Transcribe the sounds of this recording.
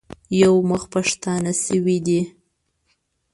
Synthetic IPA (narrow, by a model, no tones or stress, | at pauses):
jawməxpaʂt̪ɑnasəwid̪i